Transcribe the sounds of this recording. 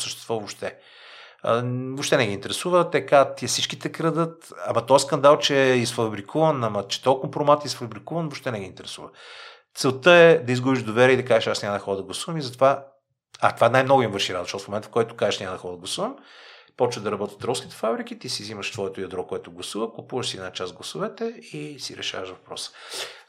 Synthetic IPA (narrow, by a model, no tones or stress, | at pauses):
səʃt̪ɛ̥st̪vovopʃt̪ɛ | vopʃt̪ɛnɛɡʲiːnt̪ɛɾɛsuvət̪ɛkat̪iɛsit͡ʃkit̪ɛkɾəd̪ət̪ɐ̰mɐt̪ɔɛskɐnd̪alˠt͡ʃɛisfɐbɾikʰuvənɐmɐt͡ʃɛ̥t̪ɔkompɾomat̪isfɐbɾikuvənvopʃt̪ɛnɛɡʲiːnt̪ɛɾɛsuvə | t̪sɛlˠt̪əɛd̪ɐizɡubiʒd̪ovɛɾʲiəid̪ɐkaʒɛʃasnʲaməd̪ɐxɔɾəd̪ɐɡlˠɐsuvəmizɐt̪ova | at̪ovanajmnɔɡʊimvɤɾʃiɾad̪oʃt̪ɔsfmomɛnt̪ə̥fkɔjt̪ʊ̥kaʒɛʃnʲaməd̪ɐxɔəd̪əɡlˠɐsuvəm | pɔt͡ʃvəd̪ɐɾɐbɔt̪ə̥t̪ɾɔlˠskʲit̪ɛ̥fabɾik̟it̪isiziməʃsvɔɛt̪ʊjɐd̪ɾɔkoɛt̪ʊɡlˠɐsuvəkʊpuvəʃsiɛd̪nat͡ʃazɡlˠɐsuvɛt̪ɛisḭɾɛ̰ʃa̰vəʃvɐpɾɔ̰sə̥